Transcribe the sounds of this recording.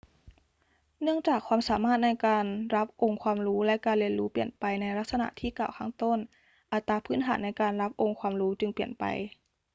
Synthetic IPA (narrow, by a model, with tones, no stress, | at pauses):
nɯ˥˩əŋt͡ɕaː˨˩kʰːwaː˧msaː˨˦maː˥˩t̪̚na˧jkaː˧nɾa˦˥p̚ʔo˧ŋkʰwaː˧mɾuː˦˥lɛ˦˥kaː˨˧nli˧ənluː˦˥pli˨˩ənpa˨˧jna˧˥jla˦˥t̪̚sa˧na̰˧˦ʔt̪ʰiː˥˩kaː˨˩wkʰaː˧˥˨ŋt̪o˧˥˨n | ʔa˨˧˩t̪ːaː˧pʰɯː˧˥˨nt̪ʰaː˩˦nːa˧˩jkaː˧nla˦˥p̚ʔo˧ŋkʰwaː˧mɾuː˦˥t͡ɕɯ˧ŋpi˨˩ənpa̰˨˧j